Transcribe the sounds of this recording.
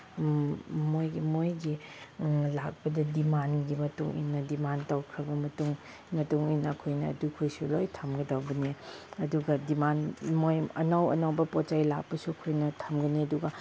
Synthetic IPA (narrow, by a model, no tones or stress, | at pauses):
mojmojɡi | lak̚pɐdɐdimanɡimɐtuŋḭnːɐdimantawkʰɾɐbɐmɐtuŋ | mɐtuŋinɐːkʰojnɐ̰ːdukʰojsulojtʰamɡɐdawbɐniɐduɡɐdimanmojɐ̰nawɐ̰nawbɐpɔt͡ʃajlak̚pɐsuɐkʰojnɐtʰamɡɐniɐduɡɐ